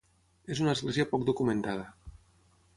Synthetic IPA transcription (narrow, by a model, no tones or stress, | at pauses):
ezunaːzɣleziapɔk̚d̪ukumẽnt̪að̞ə